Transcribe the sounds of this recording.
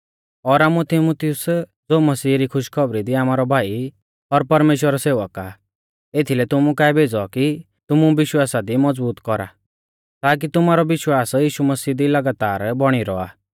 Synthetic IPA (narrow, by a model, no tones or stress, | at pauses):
ɔɾaːmut̪ɪmut̪ɪʊsd͡zoːmɐsiːɾikʰʊʃkʰɔbɾid̪iaːmaːɾɔbʱaːi | ɔɾpɐɾmeːʃwəɾɔseːʋəka | et̪ʰilɛt̪ʊmukaːɛbʱeːd͡zɔki | t̪ʊmuʋɪʃwaːsad̪imɔd͡zbuːt̪kɔɾa̰ | t̪aːk̬it̪ʊmaɾɔʋɪʃwaːsjiːʃumɐsiːd̪ilɐɡaːt̪aːɾbɔɽ̃iɾɔ̰a̰ː